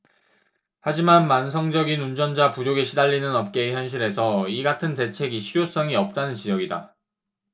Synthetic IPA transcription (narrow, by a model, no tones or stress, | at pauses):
had͡ʑimanmans̬ʰʌŋd͡ʑʌɡinund͡ʑʌnd͡ʑapud͡ʑoɡeɕʰidaʎːinɯnʌp̚k͈e̞çjʌnɕ̬ʰiɾɦe̞sʰʌiɡatʰɯnte̞t͡ɕʰe̞ɡiɕʰijos͈ʌŋiʌp̚t͈anɯnt͡ɕid͡ʑʌɡida̰